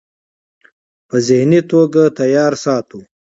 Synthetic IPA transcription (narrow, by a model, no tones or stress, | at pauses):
pəzɪhnit̪oɡat̪ajɑːɾsɑt̪u